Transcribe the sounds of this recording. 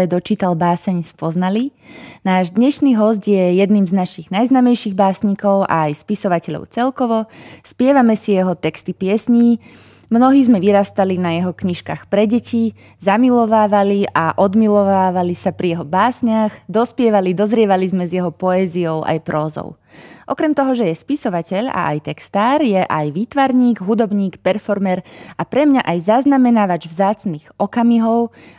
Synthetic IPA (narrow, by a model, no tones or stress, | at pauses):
ɛd̪ɔt͡ʃiːt̪albaːsɛɲspɔznalinaːʒd̪ɲɛʃniːɦɔscjɛjɛd̪niːmznaʃiɣnajznaːmɛjʃiːɣbaːsɲikɔʊʔa̰ːjspisɔʋacɛʎɔ̰ʊt͡sɛlkɔʋɔspɪɛʋamɛsijɛɦɔt̪ɛkst̪ipɪɛsɲiː | mnɔɦiːzmɛʋiɾast̪alinajɛɦɔkɲiʃka̰ːxpɾɛɟɛci | zamilɔʋaːʋaliaʔɔd̪milɔʋaːʋalisapɾijɛɦɔbaːsɲaɣd̪ɔspɪɛʋalid̪ɔzɾɪɛʋalizmɛzjɛɦɔpɔɛːzijɔʊʔa̰jpɾɔːzɔ̰ʊ | ʔɔ̰kɾɛmt̪ɔɦɔʒɛjɛspisɔʋacɛʎa̰ʔa̰jt̪ɛkst̪aːɾjɛʔajʋiːt̪ʋaɾɲiːɡɦud̪ɔbɲiːkpɛɾfɔɾmɛɾapɾɛmɲaʔajzaznamɛnaʋad͡ʒvzaːt͡sniːɣɔkamiɦɔʊ